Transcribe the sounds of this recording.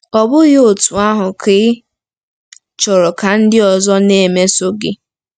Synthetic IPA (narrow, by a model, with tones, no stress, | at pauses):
ɔ˨bʊ˦ɣo˨tu˨a˦ɦʊ˨kʰɪ˦ | t͡ʃɔ˨ɾɔ˨ka˨n̩˦dɪ˦ɔ˨zɔ˦ne˨me˦so˦ɡɪ˦